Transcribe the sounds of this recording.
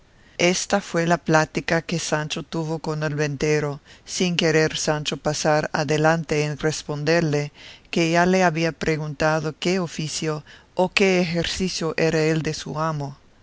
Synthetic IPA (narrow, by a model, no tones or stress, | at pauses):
est̪afwelaplat̪ikakesant͡ʃot̪uβoko̞nelβent̪eɾosiŋkeɾeɾsant͡ʃopasaɾa̰ðelant̪eːnrespond̪eɾlekeʝaleaβiapɾʔeɣunt̪aðokeofisjoːkeːxeɾsisjoʔeɾaeld̪esṵamo